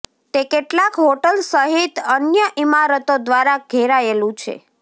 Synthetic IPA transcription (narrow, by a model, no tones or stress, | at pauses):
t̪ekeʈlakɦoʈəlsəɦit̪ənjəʔimaɾət̪od̪ʋaɾaɡʱeɾaelũt͡ʃʰḛ